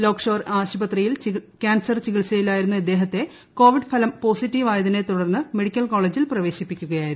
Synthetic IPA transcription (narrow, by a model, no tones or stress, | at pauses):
lo̞ːkʂoːraːɕɐbɐt̪rijilkʲaːnsɐrt͡ɕiɣiɭsɐjilaːjiɾunːuɐd̪ːe̞ːɦɐt̪ːe̞ | ko̞ːʋiɖfɐlɐmpo̞ːsitːiːʋaːjɐðine̞t̪uɽɐrnːɨme̞ɽikʲːɐlko̞ːɭeːd͡ʑilprɐʋe̞ːɕipːikʲːuɣɐjaːjiɾuu